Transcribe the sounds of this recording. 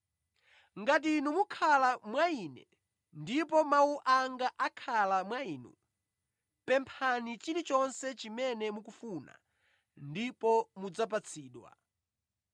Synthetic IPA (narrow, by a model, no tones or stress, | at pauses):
ŋɡat̬inumukʰalamwainɛ̰ | ndipɔmauʔaŋɡaʔakʰalamwaiːnṵ | pɛmpʰanit͡ʃiɾit͡ʃɔnsɛt͡ʃimɛnɛmukufuːna̰ | ndipɔmud͡zap̬at͡sʰiːɗwa̰